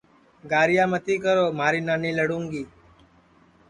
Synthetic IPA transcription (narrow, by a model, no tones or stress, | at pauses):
ɡaːɾɪjaːmət̪iːkəɾoːmaːɾiːnaːniːləɽũːŋɡiː